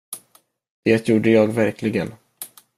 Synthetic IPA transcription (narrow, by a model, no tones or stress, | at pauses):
d̪̥eːt̪ʰjuːɖəjɑːɡvæɾklɪɡən